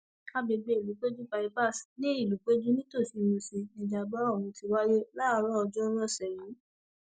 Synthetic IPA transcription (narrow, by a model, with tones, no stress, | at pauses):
a˦be˨˧ɡ͡be˧i˨lu˨˦k͡pe˦d͡ʒu˦pa˧i˦ba˦˨snĩ˦i˦˨lu˨˦k͡pe˦d͡ʒu˦nĩ˦to˦˨si˨˧mũ˧si˧nĩ˧d͡ʒa˨ba˦ɔ˦˨wũ˨˧ti˧wa˦je˦la˦˧ɾɔ˦ɔ˧d͡ʒɔ˦ɾɔ˦˨sɛ˨ɾĩ˨˦